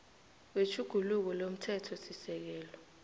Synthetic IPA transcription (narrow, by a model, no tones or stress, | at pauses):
w̬wet͡ʃʰuɡ̥ʱuluk̬ɔlom̩tʰɛtʰɔsisɛk̬ɛːlɔ